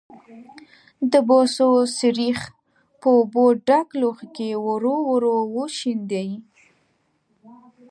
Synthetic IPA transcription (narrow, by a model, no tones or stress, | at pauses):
d̪əbososɪɾix | pəoboɖakloxkewəɾowəɾowoʃind̪aji